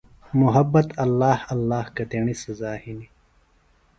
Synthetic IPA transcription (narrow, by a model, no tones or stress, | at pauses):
mʊɦɐbːɐt̪ɐlːaːhɐlːaːhkɐt̪eːɳisɐzaːhini